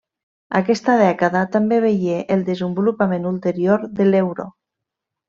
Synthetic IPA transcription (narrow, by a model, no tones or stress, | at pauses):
akɛst̪aðɛkaðat̪ambeβejeʔelˠd̪ezəmbulupamenulˠt̪eɾioɾðelewɾo̰